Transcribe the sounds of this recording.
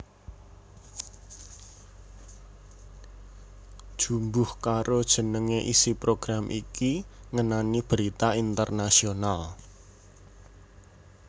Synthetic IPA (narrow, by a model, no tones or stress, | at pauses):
d̥ʒ̥ṳmbʊhkaɾod̥ʒ̥ə̤nəŋeʔisipɾoɡ̥ɾamʔikiŋənanib̥əɾit̪aint̪ərnasional